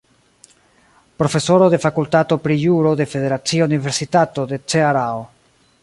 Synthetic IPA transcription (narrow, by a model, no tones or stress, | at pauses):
pɾo̞fe̞so̞ɾo̞de̞fakultato̞pɾijuɾo̞de̞fe̞de̞ɾat͡siounive̞ɾsitato̞de̞t͡seaɾao